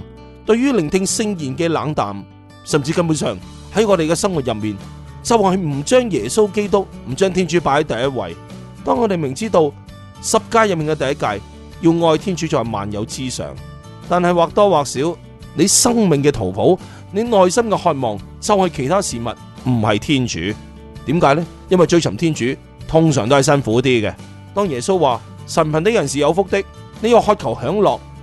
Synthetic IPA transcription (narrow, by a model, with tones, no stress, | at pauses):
t̪ɵ˧ɥyː˥lɪ˨˩ŋt̪ʰɪ˧ŋsɪ˧ŋjiː˨˩nkɛː˧laː˨˥ŋt̪a̰ː˨m | sɐ˨˩mt͡siː˧kɐ˧nmu˨˧nsœː˨˩ŋ | hɐ˨˥jŋɔː˨˧ɾe˨jkɛː˧sɐ˥ŋwu˨t̚jɐ˨p̚miː˨n | t͡sɐ˨whɐ˨jm̩˨˩t͡ʃœː˥ŋjɛː˨˩so˥wke˥jt̪ʊ˥k̚m̩˨˩t͡ʃœː˥ŋt̪ʰiː˥nt͡ʃyː˨˥paː˨˥hɐ˨˥jt̪ɐ˨jɐ˥t̚wɐ̰˨˧j | t̪ɔː˥ŋːɔː˨˧ɾe˨jmɪ˨˩ŋt͡siː˥t̪o˧w | sɐ˨p̚kaː˧jɐ˨p̚miː˨ŋkɛ˧t̪ɐ˨jɐ˥t̚ka̰ː˧j | jiː˧wŋɔː˧jt̪ʰiː˥nt͡ʃyː˨˥t͡sɔː˨jma̰ː˨njɐ̰˨˧wt͡siː˥sœ̰ː˨˩ŋ | t̪aː˨nhɐ˨jwaː˨k̚t̪ɔː˥waː˨k̚siː˨˥w | ne˨˧jsɐ˥ŋmɪ˨ŋkɛː˧t̪ʰo˨˩wpʰo˨˥w | ne˨˧jŋɔː˨˧jsɐ˥mkɛː˧hɔː˧t̚mɔː˨˩ŋ | t͡sɐ˨˧whɐ˨˧jkʰe˨˩jt̪ʰaː˥siː˨˩mɐ̰˨t̚m̩˨˩hɐ˨jt̪ʰiː˥nt͡ʃy̰ː˨˥ | t̪iː˨˥mkaː˨˥jlɛ˥ | jɐ˥nwɐ˨jt͡ʃɵ˧ɥt͡sʰɐ˨˩mt̪ʰiː˥nt͡ʃyː˨˥ | t̪ʰʊ˥ŋsœː˨˩ŋt̪o˥ɦjsɐ˥nfuː˨˥t̪iː˥kɛ˧ | t̪ɔː˥ŋjɛː˨˩so˥wːaː˨ | sɐ˨˩npʰɐ˨nt̪e˨˥jɐ˨˩nsiː˨jɐ˨˧wfʊ˥k̚t̪ɪ˥k̚ | ne˨˧jɔ˨˧hɔː˧t̚kʰɐ˨˩whœː˨˥ŋlɔː˨k̚